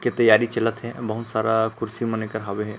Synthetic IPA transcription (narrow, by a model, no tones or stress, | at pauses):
ket̪əjːaːɾit͡ʃɐlət̪ɦɛbɐɦut̪saːɾakʊɾsimə̃nekəɾɦaweɦɛː